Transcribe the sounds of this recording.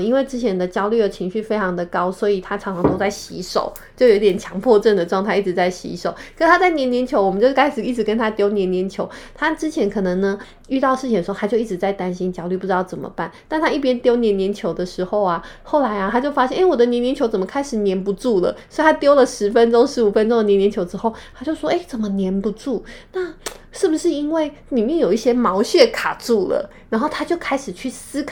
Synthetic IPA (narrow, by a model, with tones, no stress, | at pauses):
i˥nwe˥˩ɪʈ͡ʂɻ̩˥t͡ɕʰjɛ˧˥nd̪ə˧t͡ɕjɑ˥ʊly˥˩ə˩t͡ɕʰi˧˥ŋɕy˥˩fe˥ɪʈ͡ʂʰɑ˧˥ŋd̪ə˨kɑ˥ʊswɔ˧˥i˨˩t̪ʰa˥ʈ͡ʂʰɑ˨˧˥ŋʰɑ˧˥ŋt̪o˥ʊt͡sa˥˩ɪɕḭ˧˥ʂo̰˨˩˦ʊ | t͡ɕjo˥˩ʊjo˧˥t̪jɛ˨˩nt͡ɕʰjɑ˧˥ŋpʰwɔ˥˧ʈ͡ʂə˥˩nd̪ə˩ʈ͡ʂwɑ˥˧ŋt̪ʰa˥˧ɪʔi˥˩ɻ̩˨˩˦t͡sa˥˩ɪɕḭ˧˥ʂo˨˩˦ʊkkʰə˧˥t̪ʰa˥t͡sa˥˩ɪnjɛ˧˥njɛ˧˥nt͡ɕʰjo˧˥ʊwmə˦t͡ɕo˥˧ʊʂ̩˥ka˥ɪʂɻ̩˨˩i˥˩ʈ͡ʂɻ̩˧˥kə˥nt̪ʰa˥t̪jo˥ʊnjɛ˧˥nːjɛ˧˥nt͡ɕʰjo˧˥ʊt̪ʰa˥ʈ͡ʂɻ̩˥t͡ɕʰjɛ˧˥nkʰɤ˨˩nɤ˧˦ŋnə˧ | y˥˧t̪ɑ˥˧ʊʂɻ̩˥˩t͡ɕʰĩ˨˩d̪̩ʰ˩˧˥a˥t͡ɕjo˥˧ʊi˥˩ɻ̩˧˥t͡sa˥˩ɪt̪a˥nɕi˥nt͡ɕjɑ˥ʊly˥˩pu˥˩ʈ͡ʂɻ̩˧˥ɑ˥˩ʊt͡sə˨˩mə̰˩˦pa˥˩nt̪a˥˩nt̪ʰa˥i˥˩p̬jɛ˥nt̪jo˥ʊnjɛ˧˥njɛ˧˥nt͡ɕʰjo˧˥ʊd̪ə˧ʂɻ̩˧˥xo˥˧ʊa˩xo˥˩ʊla˧˥ɪa˧t̪ʰa˥t͡ɕjo˥˩ʊfa˥ɕjɛ˥˩nʔe˥ɪwɔ˨˩d̪ə˦njɛ˧˥njɛ˧˥nt͡ɕʰo˧˥ʊt͡sə˨˩mə˦kʰa˥ɪʂɻ̩˨˩njɛ˧˥npu˧˥ʈ͡ʂu˥˩lə̰˩sɔ˧˥i˥˩t̪ʰa˥t̪jo˥ʊlə˨ʂɻ̩˧˥fə˦˥nʈ͡ʂo˥ŋʂɻ̩˧˥u˨˩fə˦nʈ͡ʂo˥ŋə˨jɛ˧˥njɛ˧nt͡ɕʰo˧˥ʊʈ͡ʂɻ̩˥xo˥˩ʊt̪ʰa˥t͡ɕjo˥˩ʊʂwɔ˥ʔe˥˩ɪt͡sə˨˩nmə˦njɛ˧˥npu˧ʈ͡ʂu˥˩na˥˩ʂɻ̩˥˩bu˩ʂɻ̩˥˩i˥nwe˥˩ɪ | li˨˩mjɛ˥˩njo˨˩ʊi˥˩ɕjɛ˥mɑ˧˥ʊɕɥɛ˥˩kʰa˨˩ʈ͡ʂu˥˩lə̰˩ | ɻa˧˥nxo˥˩ʊt̪ʰa˥t͡ɕjo˥˩ʊkʰa˥ɪʂɻ̩˨˩t͡ɕʰy˥˩sɹ̩˥kʰ